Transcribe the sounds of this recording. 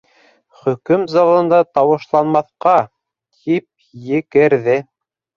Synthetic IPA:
χɵ̆kɵmzɑlˠɤ̆nd̪ɑt̪ɑwɤ̆ʃlˠɑnmɑθqɑ | t̪ʰip̚ | jɘ̆kɘ̆ɾðɘ

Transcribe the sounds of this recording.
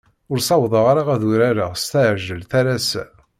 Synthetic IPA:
ʊɾsɑwðˤəʁaɾaʁæðuɾaɾast̪aʕʒəlθæɾæsæ

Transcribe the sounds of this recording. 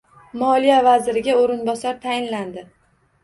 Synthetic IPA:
mɒlijavazɪɾɪɡʲaoɾɪnbɒsaɾt̪ʰajɪnland̪ɪ

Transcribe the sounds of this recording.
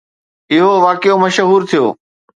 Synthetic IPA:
ɪɦoʋaːkɪjomɐʃɦuːɾt̪ʰijo̰ː

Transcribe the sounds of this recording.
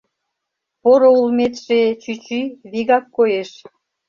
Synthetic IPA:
poɾoulmet̪ʃet͡ɕyt͡ɕyβiɣɑkːojeʃ

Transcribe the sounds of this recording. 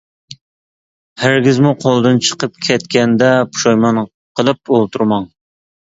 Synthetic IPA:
heɾɡʲizmuqʰolˠd̪ɨnt͡ʃʰə̥qəp̚kʲʰɛt̪kʲɛnd̪ɛpʰu̥ʃɑjmɑn | qʰəlˠɨp̚olˠt̪ʰuɾmɑŋ

